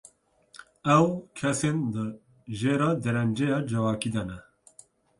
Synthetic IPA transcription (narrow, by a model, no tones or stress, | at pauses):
ɛwkʰɛsend̪ | ʒeːɾɑːd̪ɛɾɛnd͡ʒejɑːd͡ʒɛvɑːkiːd̪ɛnɛ